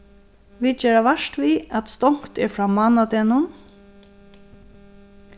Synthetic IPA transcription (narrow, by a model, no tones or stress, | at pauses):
ʋiːd̪̚t͡ʃɛːɹaʋɛʃt̪viat̪st̪ɔŋ̥kt̪ɛɹfɾaːmanat̪ɛːnʊn